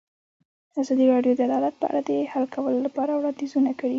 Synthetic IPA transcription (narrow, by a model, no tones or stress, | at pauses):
d̪əazɑd̪iɾɑɖjod̪əad̪ɑlat̪̚pə̰ʔa̰ɽad̪əhalkʰawəlolapɑɾawɽɑnd̪izunakəɽi